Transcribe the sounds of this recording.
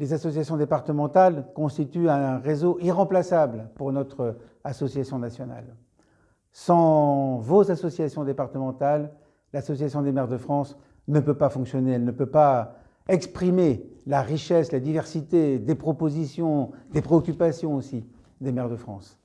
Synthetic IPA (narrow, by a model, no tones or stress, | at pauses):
lezasɔsjasjɔ̃d̪epaʁt̪əmɑ̃t̪alkɔ̃st̪it̪yɛ̃ʁezoʔiʁɑ̃plasablpuʁnɔt̪χ | asɔsjasjɔ̃nasjɔna̰l | sɑ̃vozasɔsjasjɔ̃d̪epaʁt̪əmɑ̃t̪alː | asɔsjasjɔ̃d̪emɛʁd̪əfχɑ̃s | nəpøpafɔ̃ksjɔneɛlnəpøpa | ɛkspχimelaʁiʃɛslad̪ivɛʁsit̪ed̪epχɔpozisjɔ̃d̪epχeɔkʲypasjɔ̃osi | d̪emɛʁd̪əfχɑ̰̃s